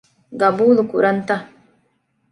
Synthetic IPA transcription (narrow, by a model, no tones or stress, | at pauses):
ɡɐbuːlukuɾɐnt̪ɐ